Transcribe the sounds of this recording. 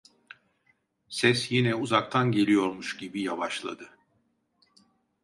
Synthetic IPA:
sɛsjinɛuzak̚t̪ʰanɟe̞lʲijo̞ɾmuʃɟibijavaʃlˠa̰d̪ɯ

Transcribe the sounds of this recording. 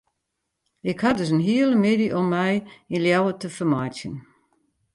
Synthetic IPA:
ɪkhadəsənɦiəlˠəmɪdiʔɔmːɛjinljawətəfəmajtjə̰n

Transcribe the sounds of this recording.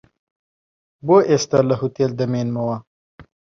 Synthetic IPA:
boʔest̪alɐɦut̪eld̪ɐmeːnmɐwa

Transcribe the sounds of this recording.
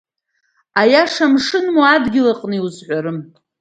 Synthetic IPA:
ajaʂamʂɨnmuadɡʲɪlaqʼnɨiuzħʷaɾɨm

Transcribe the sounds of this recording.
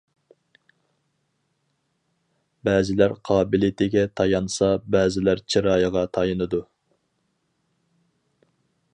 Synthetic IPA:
bɛːzɪlæɾqʰɑːbɪlit̪ʰɪɡʲɛt̪ʰɑjɑnsɑbɛːzɪlæɾt͡ʃʰiɾɑːjəʁɑt̪ʰɑjɨnɨd̪u

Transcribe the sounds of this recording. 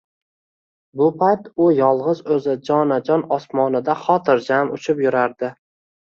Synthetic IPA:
bʊpʰajt̪ʊjɒlˠʁɨzɵzɪd͡ʒɒnad͡ʒɒnɒsmɒnɪd̪aχɒt̪ʰɪɾd͡ʒamʊt͡ʃʰɪpjʊɾaɾd̪ɪ

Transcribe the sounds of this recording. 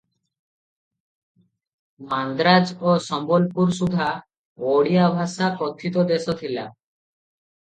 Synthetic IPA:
mand̪ɾad͡ʒosɔmbolpuɾsud̪ʱa | woɽiabʱaʃakɔt̪ʰːit̪od̪esot̪ʰila̰

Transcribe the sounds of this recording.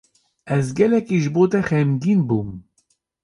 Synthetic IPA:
ɛzɡɛlɛkiʒɨboːt̪ɛxɛmɡiːnbuːm

